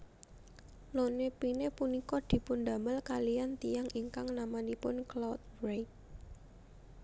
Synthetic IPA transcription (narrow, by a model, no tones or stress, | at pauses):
lonepinepunikɔd̪̥i̤pʊnd̪a̤məlkalijant̪ijaŋʔiŋkaŋnamanipʊnklawt̪̚rejt̪̚